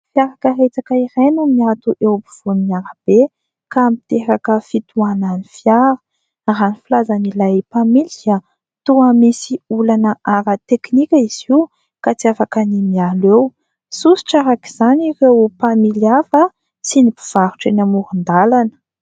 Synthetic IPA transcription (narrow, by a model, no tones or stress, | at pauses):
fjaɾakəɦet͡sakairenumiat̪uʔewbiv̥unaɾəb̥e | kamit̪eɾakəfit̪uananifjaɾə̥ | ranifilazanilajpamila | t̪uamisiulanəʔaɾət̪eknikʲaiz̥iu | kat͡siafakanimialew | susi̥ʈ͡ʂaɾakiz̥anirewpamilavə | t͡sinipi̥v̥aɾuʈ͡ʂenamuɾund̪alanə̥